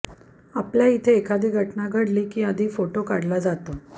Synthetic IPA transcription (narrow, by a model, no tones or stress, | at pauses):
apljait̪ʰeːkʰad̪iːɡʱəʈnaɡʱəɽliːkiːəd̪ʱiːfoʈokaɽlad͡zat̪o